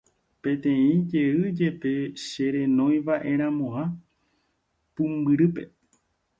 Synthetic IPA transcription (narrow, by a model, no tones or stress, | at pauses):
pẽ̞t̪ẽĩd͡ʒe̞ɨd͡ʒe̞pe̞ʃe̞ɾẽnõ̞j̃ʋaʔe̞ɾ̃ãmõã | pɨ̃mbɨɾɨpe̞̰